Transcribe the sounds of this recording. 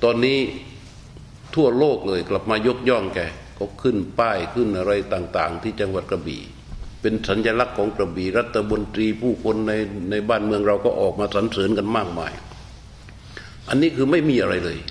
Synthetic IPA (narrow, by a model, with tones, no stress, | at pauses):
t̪ɔː˧nːiː˦˥ | t̪ʰu˥˩ɐloː˥˩k̚lɤː˧jkla˨˩p̚maː˧jo˦˥k̚jɔ˥˩ŋkɛː˧˩kɔː˥˩kʰɯ˥˩npaː˥˩jkʰɯ˥˩nʔa˧ɾa˧jt̪aː˨˩ŋt̪aː˨˩ŋt̪ʰiː˥˩t͡ɕa˧ŋwa˨˩t̪̚kʰa˧bḭː˨˩ | pe˧nsa˨˦nja˧la˦˥kʰːɔː˩˦ŋkɾa˧biː˨˩ɾa˧˥˩t̪ʰːa˧mo˧nt̪ɾiː˧pʰuː˥˩kʰo˧nːa˧jna˧jbaː˥˩nmɯ˧əŋɾa˧wkɔː˥˧˩ʔɔː˨˩k̚maː˧sa˩˦nsɤː˨˦nka˧nmaː˥˩k̚maː˧j | ʔa˧nːiː˦˥˩kʰɯː˧ma˥˩jmiː˧ʔa˧ɾa˧jlɤː˧j